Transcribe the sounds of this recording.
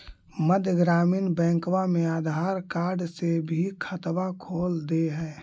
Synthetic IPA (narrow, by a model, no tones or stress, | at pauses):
məd̪ʱjəɡɾaːmiːnbɛ̃ːŋkwamẽaːd̪ʱaːɾkaːɾɖsebʱikʰət̪wakʰoːld̪eɦɛ̃ː